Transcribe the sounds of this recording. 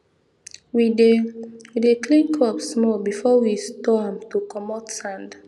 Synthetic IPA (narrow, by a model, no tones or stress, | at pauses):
widewidekʰlĩnkʰɔpsmɔbifɔwistɔãmtukʰɔmɔtsãnd